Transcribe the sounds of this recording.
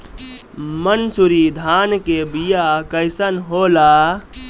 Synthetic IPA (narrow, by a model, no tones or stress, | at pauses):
mənsuɾid̪ʱankebijakəɪsənɦola